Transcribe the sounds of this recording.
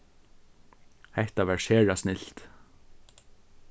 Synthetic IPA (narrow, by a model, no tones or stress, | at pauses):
hɛht̪aʋæɹʃeːɻasnɪlt̪